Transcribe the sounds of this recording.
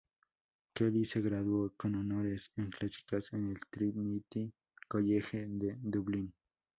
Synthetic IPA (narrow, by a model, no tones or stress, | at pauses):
keliseɣɾaðwokononoɾeseŋklasi̥kasenelt̪ɾit̪nit̪i | koʎexeðed̪uβlin